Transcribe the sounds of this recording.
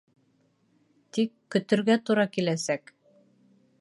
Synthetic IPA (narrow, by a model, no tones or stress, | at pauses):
t̪ikːɵ̆t̪ɵ̆ɾɡæt̪uɾɑkilæsæk